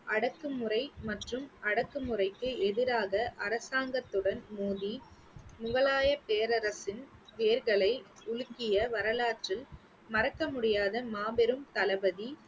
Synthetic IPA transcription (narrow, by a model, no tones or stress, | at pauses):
ʔɐɽɐkːɯmɯrɐɪmɐʈrɯmɐɽɐkːɯmɯrɐɪkːɯɛðɪɾaːɣɐʔɐɾɐsaːŋɡɐt̪ːɯɽɐnmuːði | mʊɣɐɭaːjɐpeːɾɐɾɐsɪnʋeːɾɣɐɭɐɪʊɻɯkːɪjɐʋɐɾɐlaːʈrɪl | mɐɾɐkːɐmʊɽɪjaːðɐmaːbɛɾɯmt̪ɐlɐbɐði